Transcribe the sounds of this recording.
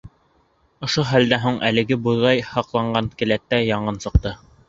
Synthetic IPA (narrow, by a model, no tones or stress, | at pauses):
ŏʃoɦæld̪æɦuɴʔæ̰lɘ̆ɡɘbuðɑjhɑqlˠɑɴɢɑnkɘ̆læt̪ːæjɑɴɤnsɤ̆q̚t̪ɤ